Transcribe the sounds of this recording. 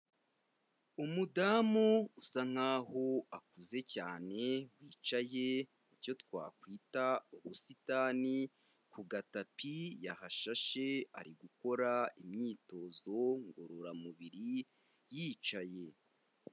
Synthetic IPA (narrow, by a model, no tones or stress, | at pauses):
umudamuusaŋ̥haːhoakuze̞caːne̞wiːt͡ʃaje | ico̞twa̰ːkwiːtauβusitaːni | kuɡatapijahaʃaʃe̞a̰ɾiɡuko̞ɾaimɲiːto̞zo̞ŋɡoɾoɾamuβiɾi | jiːt͡ʃaje